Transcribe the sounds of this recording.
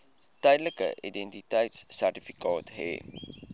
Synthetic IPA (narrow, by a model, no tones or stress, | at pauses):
təjdələkə̰ʔidɛntitəjtssærtifi̥kɑːtɦɛ̰